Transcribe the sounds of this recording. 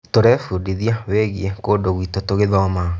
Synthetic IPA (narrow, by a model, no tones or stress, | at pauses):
toɾɛfudiðiaweːɣiɛkoːdoɣwiːtotoɣeðɔma